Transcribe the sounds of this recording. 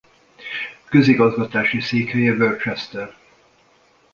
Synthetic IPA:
køziɡɒzɡɒt̪aːʃiseːkhɛjɛvørt͡ʃɛst̪ɛr

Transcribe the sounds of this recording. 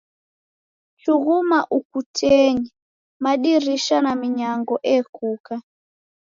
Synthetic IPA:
t͡ʃuɣumaʔukutʰɛɲɛ | maɗiɾiʃanamiɲaŋɡɔʔɛkuka

